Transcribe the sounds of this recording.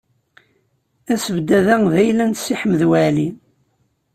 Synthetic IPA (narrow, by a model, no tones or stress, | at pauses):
æsəvd̪æðæŋðæjlænt̪siħəməðwælin